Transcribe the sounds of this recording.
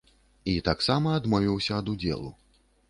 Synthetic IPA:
it̪aksamɐːd̪mɔvʲiwsʲɐɐd̪ud͡zʲɛ̰lˠṵ

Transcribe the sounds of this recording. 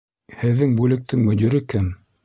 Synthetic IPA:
hɘ̆ðːɘŋbʉlɘ̆k̚t̪ʰɘŋmɵ̆d̪iɾɘkæm

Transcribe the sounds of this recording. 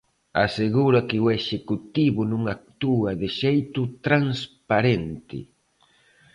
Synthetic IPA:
a̰seɣuɾakɪueʃekut̪iβʊnũŋak̚t̪uaðɪʃejt̪ʊt̪ɾaŋspaɾent̪ɪ̰

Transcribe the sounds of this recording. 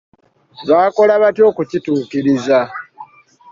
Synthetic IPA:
βaːko̞laβatjo̞ːkucituːkiɾiza

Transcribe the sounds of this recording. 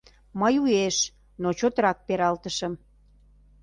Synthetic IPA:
məjueʃ | not͡ɕot̪ɾɑk̚peɾɑlt̪əʃəm

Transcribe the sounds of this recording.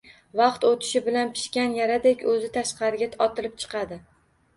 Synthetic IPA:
vɑqt̪ot̪ʰɪ̥ʃɪbɪlanpʰɪ̥ʃkʲanjaɾad̪ekʲɵzɪt̪ʰaʃqɑɾɪɡʲaɒt̪ʰɪlɪp̚t͡ʃʰɨ̥qʰɑd̪ɪ

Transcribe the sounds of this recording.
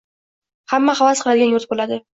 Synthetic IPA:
hamːaχavasqʰlˠad̪ɪɡʲanjʊɾt̪̚bolad̪ɪ

